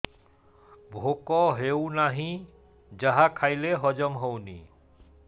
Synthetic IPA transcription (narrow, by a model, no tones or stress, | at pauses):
bʱokɔɦewnaɦĩ | d͡ʑaɦakʰajleɦɔd͡ʒɔmɦownḭ